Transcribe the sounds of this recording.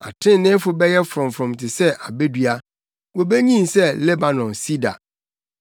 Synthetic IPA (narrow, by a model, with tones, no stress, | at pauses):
a̰˨tʰɪ̃˦nɪ̃˦fʊ˦bɛ˦jɛ˦fɾɔ̃˨mfɾɔ̃˨m˨tʰɪ˨sɛ˦ʔa˨be˦dɥa˦ | wo˨be˦ɲĩ˦nsɛ˦lɛ˦ba˨nɔ̃˨nsi˦da̰˨